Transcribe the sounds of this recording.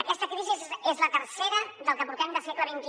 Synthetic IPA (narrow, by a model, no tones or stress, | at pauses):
əkɛst̪əkɾiziezezlət̪əɾsɛɾəðəlˠkəpuɾt̪ɛmd̪əsɛkləβint̪i